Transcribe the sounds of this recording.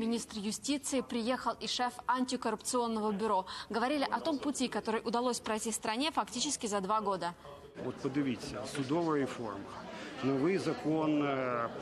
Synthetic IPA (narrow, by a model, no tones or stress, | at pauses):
mʲɪnʲist̪rjʊsʲtʲit̪sɨɪpɾʲɪje̞xəlˠɪʂɛfɐnʲtʲɪkəɾʊpt̪sɨo̞nːəvəbʲʊɾo̞ɡəvɐɾʲilʲɪʔɐt̪o̞mpʊtʲikɐt̪o̞ɾɨjʔʊd̪ɐlˠosʲpɾɐjtʲifst̪ɾɐnʲe̞fɐktʲit͡ɕɪskʲɪzɐd̪vaɡo̞d̪ə | ot̪pəd̪ɪʋʲisʲɐsʊd̪ɔʋɐɾʲɪfo̰rmɐnɔʋɨjzɐkon